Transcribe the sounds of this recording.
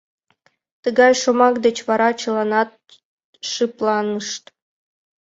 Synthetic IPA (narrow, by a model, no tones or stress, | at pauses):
t̪ɯɡɑjʃomɑkd̪ĕt͡ɕʋɑɾɑt͡ɕɤ̆lˠɑnɑt̪̚ | ʂɯplˠɑnɤʂt̪